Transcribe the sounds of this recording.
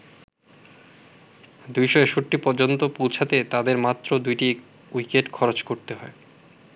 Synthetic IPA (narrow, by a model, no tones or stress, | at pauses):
d̪ujʃoeʃoʈːipɔɾd͡ʑont̪opolt͡ɕʰat̪et̪ad̪eɾmat̪ːɾod̪ujʈi | ujkeʈkʰɔɾot͡ɕkoɾt̪eɦɔe